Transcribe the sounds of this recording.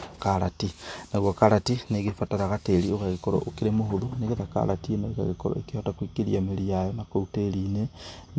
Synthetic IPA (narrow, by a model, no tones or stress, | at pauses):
kaɾatinaɣwɔkaɾatineɣefataɾaɣateɾioɣaɣekɔɾɔ̰ʔokeɾemoɦoðoneɣeðaka̰ɾatinaoɣa̰ɣekɔɾɔ̰ekehɔtakwikeɾiameɾijajɔnakouteɾine